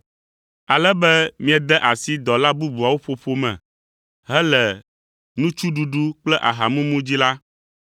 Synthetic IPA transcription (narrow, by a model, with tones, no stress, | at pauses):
a˨lɛ˦bɛ˦mĩ˦a˨d̪ɛ˦ʔa˨si˦d̪ɔ˨la˦bu˦bu˨a˨wo˦ɸo˨ɸo˦mɛ̰̃˨ | ɦɛ˦lɛ˨ | nũ˦t͡ʃu˦ɖu˦ɖu˦k͡plɛ˦ʔa̰˨ɦa˨mũ˦mũ˦d͡ʑi˦la˦